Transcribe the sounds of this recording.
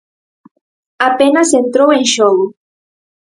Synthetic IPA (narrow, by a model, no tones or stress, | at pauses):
apenasent̪ɾoenʃoɣo